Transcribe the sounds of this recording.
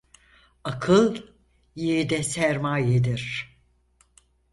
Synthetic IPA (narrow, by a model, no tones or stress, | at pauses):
akʰɯlˠ | jiɾd̪ɛsæɾmaːjed̪iɾ̥